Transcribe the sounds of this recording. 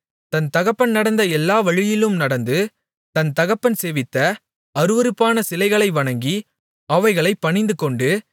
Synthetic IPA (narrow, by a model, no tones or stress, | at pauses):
t̪ɐnt̪ɐɣɐpːɐnnɐɽɐnd̪ɐɛlːaːʋɐɻɪjɪlɯmnɐɽɐnd̪ɯ | t̪ɐnt̪ɐɣɐpːɐnseːʋɪt̪ːɐ | ɐɾɯʋɐɾɯpːaːnɐsɪlɐɪɣɐɭɐɪʋɐɳɐŋɡi | ɐʋɐɪɣɐɭɐɪpːɐɳɪnd̪ɯkɔɳɖɯ